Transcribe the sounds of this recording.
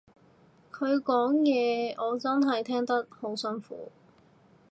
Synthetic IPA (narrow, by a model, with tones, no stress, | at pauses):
kʰɵ˨˧ɥkɔː˨˥ŋjɛː˨˧ɔː˨˧t͡sɐ˥nɦɐ˨jt̪ʰɛː˥ŋt̪ɐ˥k̚ho˨˥wsɐ˥nfṵː˨˥